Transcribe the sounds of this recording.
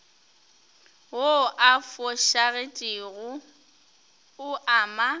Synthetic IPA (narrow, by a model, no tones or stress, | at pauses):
woʔafɔʃaɣetʼɪɣʊ | ʊʔaːma